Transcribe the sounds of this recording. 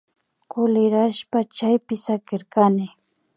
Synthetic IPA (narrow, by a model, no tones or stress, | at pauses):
kʊlɪɾaʃpat͡ʃajpɪsakɪɾkanɪ